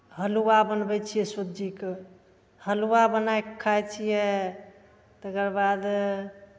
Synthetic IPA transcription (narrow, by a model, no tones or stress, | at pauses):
ɦəluwabənbɛt͡ʃʰijɛsəd͡ʒik | həluwabənajkkʰːajt͡ʃʰijɛ | t̪əkəɾbad̪